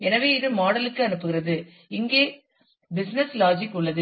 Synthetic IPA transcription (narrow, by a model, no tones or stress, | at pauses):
ɛnɐʋeːɪðɯmaːɽɐlɯkːɯɐnɯpːɯɣɪɾɐðɯ | ɪŋɡeː | bɪsnɛslaːd͡ʒɪkːʊɭːɐðɯ